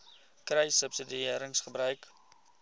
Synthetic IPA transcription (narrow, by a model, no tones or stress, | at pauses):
kɾɛjsəpsədiiəɾəŋsχəbɾœɥk